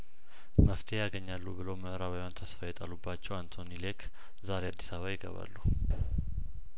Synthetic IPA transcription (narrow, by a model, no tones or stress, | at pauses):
məft̪ʰejaɡəɲːalːubɨloməʔɾaβajwant̪ʰəsfajɛt̪ʼalubːat͡ʃːɛwant̪ʰonilekʰ | zaɾead̪ːi̥saβajɪɡə̰βa̰lːu